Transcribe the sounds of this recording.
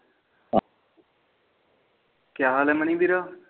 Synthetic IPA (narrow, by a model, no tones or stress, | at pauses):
kjaːlɛmənĩːd̪iɾaː